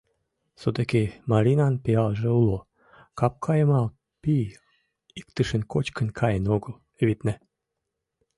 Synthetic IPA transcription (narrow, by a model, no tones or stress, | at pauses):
sod̪ekemɑɾʲinɑnpeɑlʒĕulo | kɑp̚kʰɑjə̆mɑl | pi | ikt̪əʃə̆nkot͡ɕkə̆nkʰɑjənoɣəl | eβit̪næ